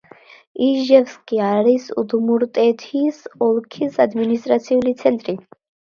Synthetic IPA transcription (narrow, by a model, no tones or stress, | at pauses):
iʒɛvskʼiaɾisud̪muɾt̪ʼɛt̪ʰisɔlˠkʰisad̪minist̪ʼɾat̪sʰiulit̪sʰɛnt̪ʼɾi